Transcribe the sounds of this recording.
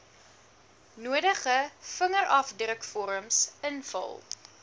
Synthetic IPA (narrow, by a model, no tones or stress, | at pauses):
nuəɾəχəfəŋərɐfdrəkfɔɾəmsənfɐ̰lˠ